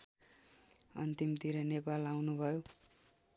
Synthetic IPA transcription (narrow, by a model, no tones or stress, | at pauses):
ʌ̰nt̪imt̪iɾʌnepalawnubʱʌjo